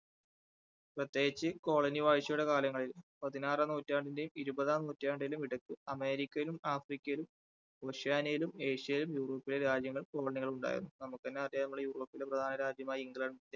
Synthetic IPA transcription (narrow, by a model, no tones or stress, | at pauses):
prɐt̪ːje̞ːɡit͡ɕːɨko̞ːɭɐniʋaːjɕjɐjuɽe̞kaːlɐŋːɐɭilpɐðinaːranuːtːaːɳɖinde̞jumiɾubɐðaːnuːtːaːɳɖɐjilumiɽɐkːɨɐme̞ːɾikʲːɐjilumaːfrikʲːɐjilum | oɕijaːnɐjilume̞ːɕijɐjilumjuːro̞ːpːileɾaːd͡ʑjɐŋːɐɭumko̞ːɭɐniɣɐɭuɳɖa̰ːj̰ɾṵnːunɐmukːenːeɐrjanɐmuɭejuːro̞ːpːile̞prɐd̪ʱaːnɐɾaːd͡ʑjɐmaːjɐiŋɡɭɐɳɖinde